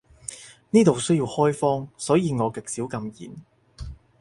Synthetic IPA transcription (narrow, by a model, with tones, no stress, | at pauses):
niː˥t̪o˨wsɵ˥ɥjiː˧whɔː˥jfɔː˥ŋsɔː˨˥jiː˨˧ŋɔː˨˧kɪ˨k̚siː˨˥wkɐ˧mjḭː˨˩n